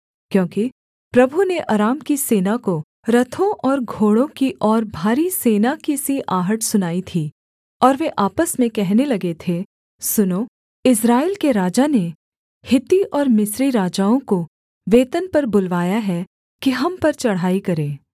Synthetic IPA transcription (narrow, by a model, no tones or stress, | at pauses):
kjõːki | pɾɐbʱuneʔɐɾaːmkiseːnako | ɾɐt̪ʰõʔɔːɾɡʱoːɽõkiʔɔːɾbʱaːɾiseːnakisiʔaːɦəʈsʊnaːit̪ʰiː | ɔːɾʋeʔaːpəsmẽkɛɦnelɐɡet̪ʰe | sʊno | ɪsɾaːeːlkeɾaːd͡ʒane | hɪt̪iʔɔːɾmɪsɾiɾaːd͡ʒaːõko | ʋeːt̪ənpɐɾbʊlʋaːjaɦɛ | kiɦɐmpɐɾt͡ʃɐɽ̤ɦaːikɐɾẽː